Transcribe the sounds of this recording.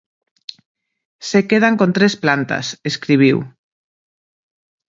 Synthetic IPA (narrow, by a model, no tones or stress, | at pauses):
sekeð̞aŋkont̪ɾesplant̪a̰seskɾiβ̞iw